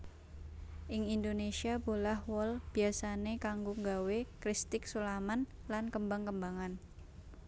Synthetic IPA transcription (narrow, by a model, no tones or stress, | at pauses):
ʔɪŋindonesiabolahwɔlb̥i̤asanekaŋɡoŋɡawekɾist̪ɪk̚sulamanlankəmbaŋkəmbaŋan